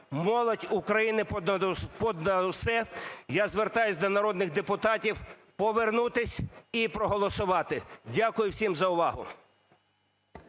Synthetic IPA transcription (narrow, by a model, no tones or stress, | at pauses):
mɔlˠɔtʲʊkɾɐjinɪpɔd̪nɐsɛjazʋert̪ɑjʊsʲd̪ɔnɐɾɔd̪nɪxd̪epʊt̪ɑtʲiw | pɔʋernut̪ɪsʲipɾɔɦɔlˠɔsʊʋɑt̪ɪdʲakʊjʊwsʲimzɐʊʋɑɦʊ̰